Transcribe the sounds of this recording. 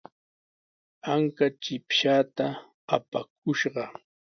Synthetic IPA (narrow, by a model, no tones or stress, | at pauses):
aŋkat͡ʃɪpʃaːt̪aː | pak̚ʊʃɢɑ